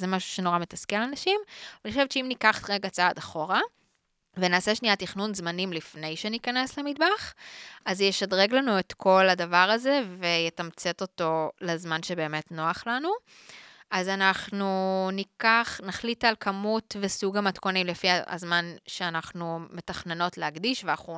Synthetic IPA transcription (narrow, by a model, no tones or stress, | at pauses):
zemaʃu̥ʃeno̞ʁametaskealanaʃimveniχoʃevt͡ʃeimnikaχtʁeɡat͡saadaχo̞ʁa | venaːseʃnijat̪iχnunzmanimlifne̞jʃenikane̞slemid̚baχazjeʃadʁeɡlanuetkʰo̞lhadavaʁaze̞vejetamt͡se̞to̞to̞lazmanʃebe̞ːme̞tno̞aχlanu | ʔazanaχnunikaχnaχlitalkʰamutvesuɡamatko̞nimlefiaa̰zmanʃeanaχnume̞taχne̞no̞tleaɡdiʃveaχu